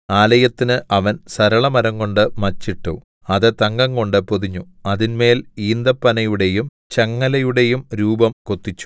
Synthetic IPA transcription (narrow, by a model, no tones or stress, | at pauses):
aːlɐjɐt̪ːinɨʔɐʋɐnsɐɾɐɭɐmɐɾɐŋko̞ɳɖɨmɐt͡ɕːiʈːu | ɐðɨt̪ɐŋɡɐŋko̞ɳɖɨpoðiɲːu | ɐðinme̞ːliːnd̪ɐpːɐnɐjuɽe̞jum | t͡ɕɐŋːɐlɐjuɽe̞jumɾuːbɐmkot̪ːit͡ɕːu̥